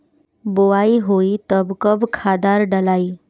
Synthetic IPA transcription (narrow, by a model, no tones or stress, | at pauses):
boʋaiɦoit̪əbkəbkʰad̪aɾɖəlaiː